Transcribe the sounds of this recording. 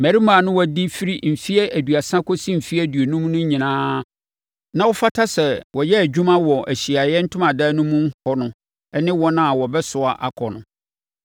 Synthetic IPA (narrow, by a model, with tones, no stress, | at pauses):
mæ˨ɾi˦mãː˨nʊ̃˦wɔ˦˨di˦fi˦ɾi˦m̩˨fi˦ɛ˦ʔæ˨du˨a˨sã˦ko˦si˦m̩˨fi˦æ˦˨dɥo˨nũ˦mnʊ̃˦ɲĩ˨nãː˦ | nã˦wɔ˦fa˦tʰa˦sɛ˨wɔ˨jɛ˦æ˨d͡ʑᶣu˦mã˦wɔ˨ʔæ˨ɕi˨a˨jɛ˦n̩˦tʰʊ̃˦mã˨da˦nũ˦mũ˦hɔ˦nʊ̃˨ | ɛ˦nɪ̃˦wɔ̃˦nã˦a˨wɔ˨bɛ˦sʊ˨a˦˨ʔa˨kʰɔ˨nʊ̃˨